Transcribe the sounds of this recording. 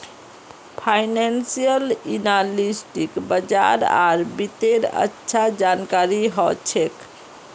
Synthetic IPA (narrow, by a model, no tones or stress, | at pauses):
pʰaɪnansijəlinalisʈikbəd͡ʒa̰ɾa̰ɾbit̪eɾə̰tːʃʰad͡ʒankaɾiɦɔt͡ʃʰek